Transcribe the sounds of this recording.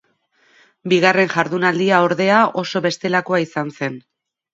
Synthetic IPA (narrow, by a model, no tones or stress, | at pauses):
biɣ̞are̞nʝaɾðunald̪iao̞ɾðe̞ao̞so̞βe̞st̪e̞lako̞aisanse̞n